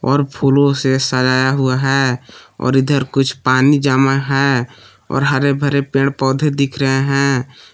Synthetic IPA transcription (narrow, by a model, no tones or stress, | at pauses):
ɔːɾpʰuːlõsesəlaːjaɦʊaɦɛːɔ̰ːɾɪd̪əɾkʊt͡ʃʰpaːnid͡ʒaːmaɦɛː | ɔ̰ːɾɦəɾebʱəɾepẽːɽpɔːd̪ʱed̪ɪkʰɾəɦeɦɛ̃ː